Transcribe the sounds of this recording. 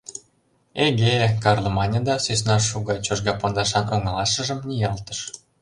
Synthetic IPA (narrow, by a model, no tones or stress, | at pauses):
eɡekɑrlˠɤmɑnʲəd̪ɑsøsnɑʃuɣɑt͡ɕoʃɡɑpond̪ɑʃɑnʔoŋə̆lɑʃə̆ʒə̆mnʲijɑlt̪əʃ